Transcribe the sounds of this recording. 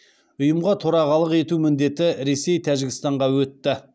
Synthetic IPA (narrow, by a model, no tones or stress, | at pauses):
ʊjəmʁɑt̪ʰoɾɑʁɑlˠəqe̞t̪umɪnd̪e̞t̪ɪɾe̞se̞jt̪ʰæʒɪɡʲɪst̪ɑɴʁɑwɵt̪ːɪ